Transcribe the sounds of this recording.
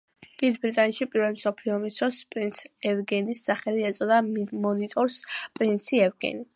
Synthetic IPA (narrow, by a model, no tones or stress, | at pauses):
d̪̥id̪bɾit̪ʼanɛt̪ʃipʼiɾvɛlimsɔpʰliɔmisd̪ʰɾɔspʼɾint̪sʰɛvɡɛnisːaχɛliɛt̪sʼɔd̪amɔnit̪ʼɔɾspʼɾint̪sʰiɛvɡɛ̰ni